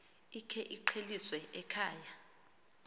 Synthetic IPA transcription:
ikʰɛʔiǃʰeliswɛʔɛkʰaːja

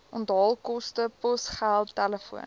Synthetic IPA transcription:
ɔndɑːlˠkɔstəpɔsχælˠttæləfṵən

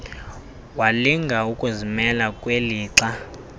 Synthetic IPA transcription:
waliŋɡʱaukʼuzimɛlakʼweliːǁa

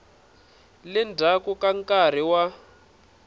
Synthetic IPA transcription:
lɛndʱakukaŋkar̤iwa

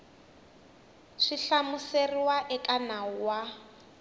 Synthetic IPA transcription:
ʂiɬamuseriwaʔɛkanauwa

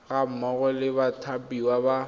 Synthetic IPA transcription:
ɣam̩mɔɣɔlɪbatʰapʼiwaba

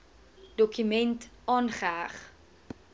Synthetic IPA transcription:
d̥ɔkymɛntɑːnχəæːχ

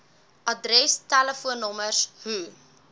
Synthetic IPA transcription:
ʔɐdrɛstæləfuənːɔmərsɦu

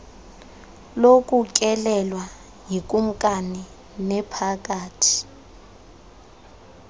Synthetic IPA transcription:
lokʼuk̬ʼɛlɛlwa | jik̬ʼum̩kʼani | nɛpʰak̬ʼaːtʰi̥

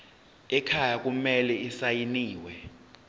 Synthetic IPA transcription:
ɛkʰajak̬ʼumɛlɛisajiniːwɛ

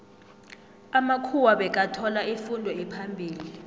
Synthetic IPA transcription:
amakʰuwaɓɛk̬ʼatʰɔlaifundʱɔɛpʰambʱiːli

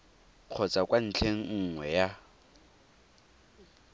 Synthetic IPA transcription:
q͡χʰɔt͡sʼakʼwan̩t͡ɬʰeŋ̩ŋ̩ŋwɛja

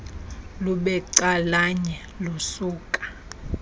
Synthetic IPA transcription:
luɓɛǀalaɲɛ | lusuːkʼḁ

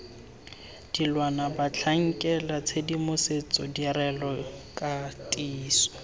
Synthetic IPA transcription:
d̥ilwanabat͡ɬʰaŋ̩kʼɛlat͡sʰedimʊset͡sʼɔdiɾɛlɔkʼatʼiːsɔ̥

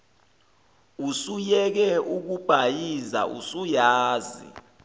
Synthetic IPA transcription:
usujɛk̬ɛuk̬ub̥ʱajiza̰ʔṵsujaːzḭ

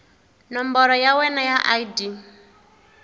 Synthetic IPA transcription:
nɔmbɔɾɔjawɛnajaʔaidi

